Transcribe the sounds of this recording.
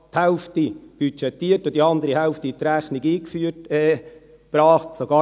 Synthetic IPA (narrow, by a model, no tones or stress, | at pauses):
t̪hɛlft̪ib̥yt͡ʃɛt̪ːiətʊdiɑnd̪əɾihɛʊftit̪ɾæχniɡiːkfyətɛː | b̥ɾɑːχtsoɡɑː